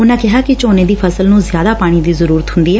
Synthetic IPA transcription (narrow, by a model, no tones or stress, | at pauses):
ʊnãːkɪɦaːkɪt͡ʃoːneːd̪iːpʰəsəlnũːzjaːd̪aːpaːɽ̃iːd̪iːzəɾuːɾət̪ɦʊ̃nd̪iːɛː